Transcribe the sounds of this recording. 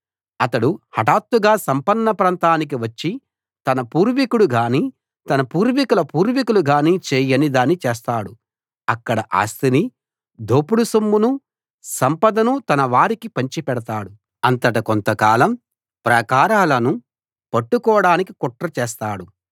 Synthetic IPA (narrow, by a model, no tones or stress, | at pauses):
ɐt̪ɐɽuhɐʈaːt̪ːuɡaːsɐmpɐnːɐpɾaːnt̪aːnik̬iʋɐt͡ʃːi | t̪ɐnɐpuːɾʋikuɽuɡaːni | t̪ɐnɐpuːɾʋikulɐpuːɾʋikuluɡaːnit͡ʃɛːjɐnid̪aːnːit͡ʃɛːs̬t̪aːɽu | ɐkːɐɽɐʔa̰ːst̪ini | d̪oːpuɽusɐmːunu | sɐmpɐd̪ɐnut̪ɐnɐʋaːɾikipɐɲt͡ʃipɛɽɐt̪aːɽu | ɐnt̪ɐʈɐkont̪ɐkaːlɐm | pɾɐkaːɾaːlɐnu | pɐʈːukɔːɽaːnikikɔʈɾɐt͡ʃɛːst̪aːɽu